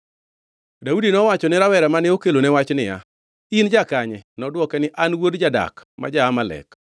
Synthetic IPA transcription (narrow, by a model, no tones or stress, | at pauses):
daudinɔwat͡ʃɔnɪɾawɛɾɛmanɪokelonɛwat͡ʃnɪja̰ | ind͡ʒakaɲɛnɔdwɔkɛnɪʔanwodd͡ʒada̰kma̰d͡ʒaːmalɛ̰k